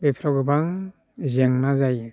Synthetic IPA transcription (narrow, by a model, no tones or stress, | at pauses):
bepʰɾɔɡɯbaŋ | zeŋnazaj